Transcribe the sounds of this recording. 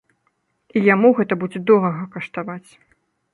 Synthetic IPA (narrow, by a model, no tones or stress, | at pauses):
ijamuɣɛt̪ɐbud͡zʲɛd̪ɔɾɐɣɐkɐʂt̪avat͡sʲ